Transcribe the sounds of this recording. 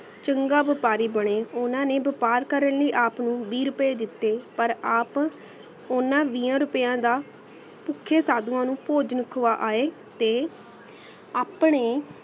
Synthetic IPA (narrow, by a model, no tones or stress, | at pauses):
t͡ʃəŋɡaːbɪpaːɾiːbəɳeːʊnãːnẽːbɪpaːɾkəɾənləiːʔaːpnũːbiːɾʊpeːd̪ɪt̪ːeːpəɾaːp | ʊnãːʋiːãːɾʊpjãːd̪aː | pʊkʰːeːsaːd̪ũãːnũːpoːd͡ʒnəkʰoʋaːʔaːeː | t̪eː | aːpɳeː